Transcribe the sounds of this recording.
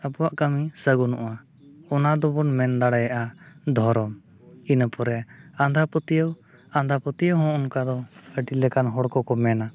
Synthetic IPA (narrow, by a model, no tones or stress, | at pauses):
əbɔwaʔkamisəɡɔnṵʔa | ɔnad̪ɔbɔnmɛnd̪aɽajaʔad̪ʱɔɾɔm | inəpɔɾɛãnd̪ʱapət̪ijəw | ãnd̪ʱapət̪ijəwɦɔ̃ʔɔnkad̪ɔəʈilɛkanɦɔɽkɔkɔmɛna